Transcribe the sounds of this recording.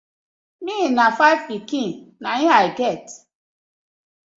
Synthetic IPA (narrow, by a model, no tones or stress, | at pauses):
minafaɪvpikĩnnaĩɦaiɡɛt